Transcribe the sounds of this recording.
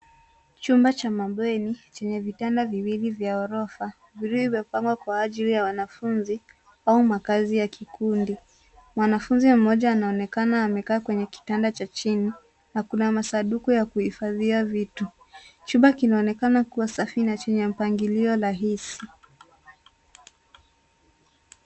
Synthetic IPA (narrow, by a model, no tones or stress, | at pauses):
t͡ʃumbat͡ʃamaɓɛnit͡ʃɛɲɛvitɛndaviwilivjaɔɾɔfa | viɾuihivɔpaŋɡwakwaːʄilijawanafunzi | aumakazijakikundi | mwanafunzim̩mɔʄaːnaɔnɛkanaːmɛkaːkwɛɲɛki̥tandat͡ʃat͡ʃini | nakunamasaɗukujakuhifaðiavitu | t͡ʃuɓakinaɔnɛkanakuwasafinat͡ʃɛɲɛm̩paŋɡiliɔɾaɦisi